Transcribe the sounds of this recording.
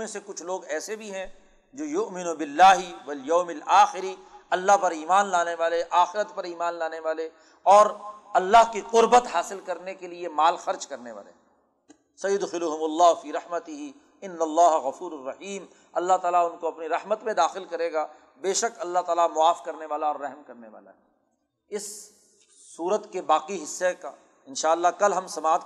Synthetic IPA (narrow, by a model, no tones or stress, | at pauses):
mẽsekʊt͡ʃʰloːɡɛːsebʱiɦɛ̃ | d͡ʒoːjʊʔmɪnubɪlːaːɦɪʋɐljɐːmɪlaːxɪɾiɐlːaɦpɐɾiːmaːnlaːneʋaːleʔaːxɪɾət̪pɐɾiːmaːnlaːneʋaːle | ɔːɾɐlːaɦkiqʊɾbət̪ɦaːsɪlkɐɾnekeliemaːlxɐɾd͡ʒkɐɾneʋa̰ːlḛ | sɐjːʊd̪xɪlʊɦʊmʊlːaːɦfiːɾɐħmət̪ɪɦi | ɪnːɐlːaːɦɣɐfuːɾʊrːɐħiːm | ɐlːaɦt̪aːlaʊnkoɐpniɾɐhmət̪mẽd̪aːxɪlkɐɾeːɡaː | beːʃəkɐlːat̪aːlamʊaːfkɐɾneʋaːlaɔːɾːɛɦmkɐɾneʋa̰ːla̰ɦɛː | ɪsː | uːɾət̪kebaːqiɦɪsːeka | ɪnʃaːəlːakɐlɦɐmsɐmaːd̪